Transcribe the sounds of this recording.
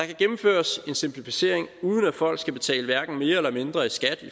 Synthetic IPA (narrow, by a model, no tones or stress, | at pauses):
d̥ɑ̈kʰæɡ̥emm̩føːɐse̝nsempʰlifise̝ɐ̰e̝ŋuːð̞ˠn̩æd̥fɒ̽l̰ɡ̥sɡ̥æb̥e̝t͡sʰɛ̰ːləʋæɐɡ̥n̩me̝ːɐelɐme̝nd̥ʁɐisɡ̥æd̥i